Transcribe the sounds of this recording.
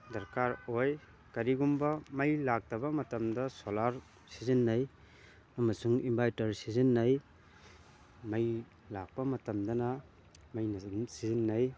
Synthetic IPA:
dɐɾkaɾoj | kɐɾiɡumbɐmɐjlak̚tɐbɐmɐtɐmdɐsolaɾ | sizɐnːɐj | ɐmɐsuŋimbajtɐɾsizɐnːɐj | mɐj | lak̚pɐmɐtɐmdɐnɐ | mɐjnɐnsizinːɐj

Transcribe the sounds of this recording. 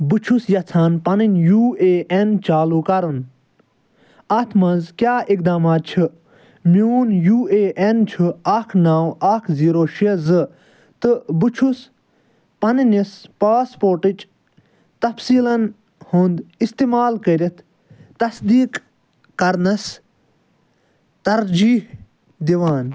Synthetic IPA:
but͡ʃʰusjɐt͡sʰaːnpɐninʲjuːeːʔent͡ʃaːluːkɐɾɨn | ɐt̪ʰmɐnzkʲjaːʔik̚d̪aːmaːt̪̚t͡ʃʰɨ | miuːnjuːeːʔent͡ʃʰuɐkʰnaːwɐkʰziːɾoːʃezɨ | t̪ɨbɨt͡ʃʰus | pɐnnispaːspoːɾʈit͡ʃ | t̪ɐfsiːlɐn | hũnd̪ist̪iːmaːlkəɾʲit̪ʰ | t̪ɐsd̪iːkː | ɐɾnɐs | t̪ɐɾd͡ʒiːh | d̪iʋaːn

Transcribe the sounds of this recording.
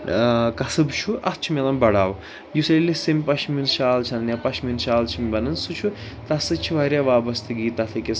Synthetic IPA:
kɐsɨbt͡ʃʰuʔɐst͡ʃʰumelɐmbɐɽaːw | jusɐllisimʲpɐʃminʃaːlt͡ʃʰɐnnjapɐʃʰminʃaːlt͡ʃʰimbɐnɐnsut͡ʃʰu | t̪ɐsɨt͡ʃʰiʋɐɾʲjaːʋaːbɐst̪ʰɨɡiːt̪ɐt̪ʰɐkes

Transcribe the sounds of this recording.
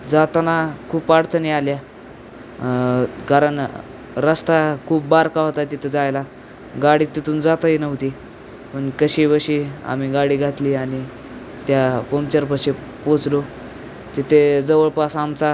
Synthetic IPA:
d͡zat̪anakʰuːpːaɽt͡sənialja | kaɾəɳ | ɾəst̪akʰuːp̚baɾkaɦot̪at̪it̪ʰed͡zajla | ɡaɽiːt̪it̪uːnd͡zat̪əinəʋt̪iː | pəɳkəɕiʋəɕiːa̰m̤iːɡaɽiːɡʱat̪liːañi | t̪japomt͡ɕəɾpəɕe | pot͡slo | t̪it̪ʰed͡zəʋəɭpasamt͡sa

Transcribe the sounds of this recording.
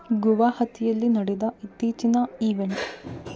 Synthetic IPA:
ɡuʋaːhɐt̪ʰijɐlːinɐɽed̪ɐit̪ːiːt͡ʃinɐiːʋeɳʈ

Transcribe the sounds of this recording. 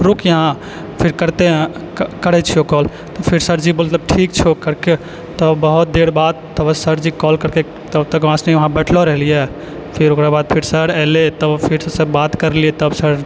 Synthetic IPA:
ɾokjəɦã | pʰɪɾkəɾt̪eɦkəɽɛt͡ʃʰiokɔl | t̪ɔpʰɪɾsəɾd͡ʒimət̪ləb̚ʈʰikt͡ʃʰokəɾke | t̪ɔbəɦut̪̚d̪eɽbad̪̚t̪əbsəɾd͡ʒikɔlkəɾke | t̪əbt̪əkʋãsnɛʋəɦãbɛʈʰlɔɾəɦlijɛ | pʰɪɾokɾabaːd̪̚pʰɪɾsəɽɛlet̪əbpʰiɾssəbat̪kəɾliɛt̪əbsəɾ

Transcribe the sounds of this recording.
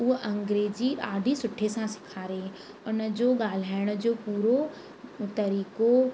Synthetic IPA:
ʊɦʔɐ̃ŋɡɾeːd͡ʑiɗaːɖʱisʊʈʰesãsɪ̥kʰaːɾe | ʊnə̆d͡ʑoːɠaːl̤aːɪɽ̃ʊ̆d͡ʑoːpuːɾo | t̪ɐɾiːko

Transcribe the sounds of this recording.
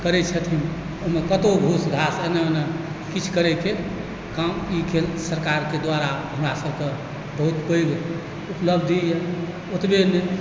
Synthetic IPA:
kəɾɛt͡ʃʰət̪ʰim | omekət̪obʱusɡʱasenenə | kit͡ʃʰkəɾɛke | kamikʰelsəɾkaɾked̪waɾaɦəmɾasəbʱke | bəɦut̪pəjɡ | upləbʱd̪ʱije | ut̪bene

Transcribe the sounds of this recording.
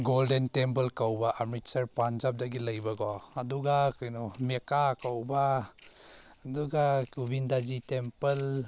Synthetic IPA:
ɡoldentempɐlkawbaʔɐmɾitsɐɾpand͡ʒap̚dɐɡilɐjbɐɡɔɐduɡakajnɔmekakawba | duɡakubindazitempɐl

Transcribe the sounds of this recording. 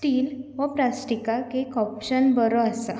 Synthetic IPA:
ʈiːlʋəpɾasʈikakekɔpɕənbəɾɔasa

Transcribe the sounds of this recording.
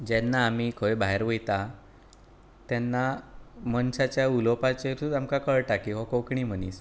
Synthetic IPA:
d͡ʑɛnːaːmiːkʰoebaɦeɾʋəjt̪a | t̪janːamənɕat͡ɕjaulopat͡ɕeɾut̪amkakəɭʈakiʋɔkokɳiːm̤əniːs

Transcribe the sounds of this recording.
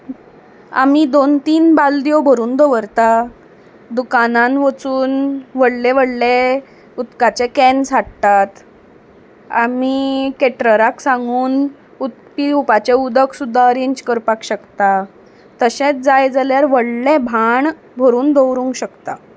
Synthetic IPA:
a̰mid̪ont̪iːnbald̪jobʱəɾuːnd̪əʋəɾt̪a | d̪ukanãnʋət͡suːnʋəɽleʋəɽle | ut̪kat͡ɕekɛnsaɽt̪at̪ | a̰mikeʈɾəɾaksãŋɡuːn | ut̪̚piupat͡ɕeud̪əksud̪ʱːaəɾeɲd͡ʑkəɾpakɕəkt̪a | t̪əɕẽt͡sd͡zajd͡zaljaɾʋəɽlebʱaɳ | bʱəɾuːnd̪əʋɾũŋkɕəkt̪a

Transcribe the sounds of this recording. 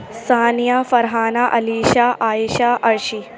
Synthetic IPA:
saːnjafɐɾɦaːnaʔɐliːʃaːʔaːjiʃaʔɐɾʃi

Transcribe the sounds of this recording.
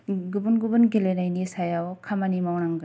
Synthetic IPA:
ɡubunɡubɯnɡelenajnisajawkʰamanimawɾaŋɡɯ

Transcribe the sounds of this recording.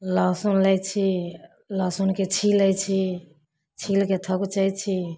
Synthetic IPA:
lasunlət͡ʃʰi | lasunket͡ʃʰiləjt͡ʃʰi | t͡ʃʰilket̪ʰəkt͡ʃajt͡ʃʰi

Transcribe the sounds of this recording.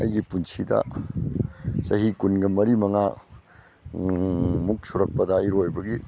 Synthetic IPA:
ɐ̰jɡipunsʰidɐ̰ | sɐɦikunɡɐmɐɾimɐŋa | muk̚suɾɐk̚pɐdɐːjɾojbɐɡi

